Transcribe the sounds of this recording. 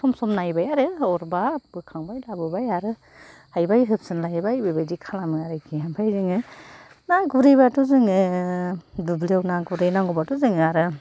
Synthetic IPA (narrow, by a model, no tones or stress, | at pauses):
sɔmsɔmnajbajaɾɯɔɾbabɯkʰaŋbajlabɯbajaɾɯ | hajbajɦɯp̚sɯnlajbajbɯbajdikʰalamɯaɾɯkʰiɦampʰajzɯŋɯ | naɡuɾijbatuzɯŋɯ | dublewnaɡuɾɯjnaŋɡɔbatuzɯŋaɾɯ